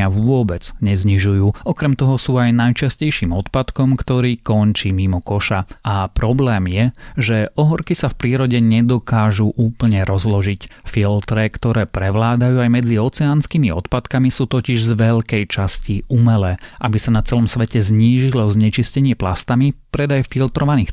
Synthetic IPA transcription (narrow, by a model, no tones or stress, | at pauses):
aʋʊɔbɛd͡zɲɛzɲiʒujuːʔɔkɾɛmt̪ɔɦɔsuːajnajt͡ʃascɛjʃiːmɔt̪pat̪kɔmkt̪ɔɾiːkɔnt͡ʃimimɔkɔʃaʔapɾɔblɛːmjɛʒɛʔɔɦɔɾkisafpɾiːɾɔɟɛɲɛd̪ɔkaːʒuʔuːpl̩ɲɛɾɔzlɔʒicfilt̪ɾɛkt̪ɔɾɛːpɾɛʋlaːd̪ajuːajmɛd͡ziɔt͡sɛaːnskiːmiɔ̰t̪pat̪kamisuːt̪ɔciʒzʋɛʎkɛjt͡ʃasciumɛlɛːʔabisanat͡sɛlɔmsʋɛcɛzɲiːʒilɔzɲɛt͡ʃiscɛɲɪɛplast̪amipɾɛd̪ajfilt̪ɾɔʋaniːx